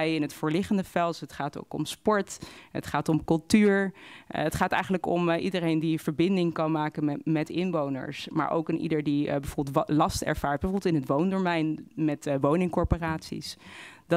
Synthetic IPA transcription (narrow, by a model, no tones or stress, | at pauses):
jɪnɦətfʊːɹlɪχəndəfɛlˠtɦətχaːto̰wkɔ̰mspɔɹtɦə̰tχaːtɔmkɵlˠtyːɹətχaːtɛjχənləkɔmʔidərejndiv̥əɹbɪndɪŋkɑnmaːkənmɛtɪnʋownə̰ɹsma̰ːɹʔo̰wkɪnʔḭdəɹdibə̥oɹbɛlˠtlɑstɛ̰ɹv̥aːɹt̚bəoɹblˠtɪnɦətʋowndəːɹmɛjnmɛtʋownɪŋkɔɹporaːtsḭsd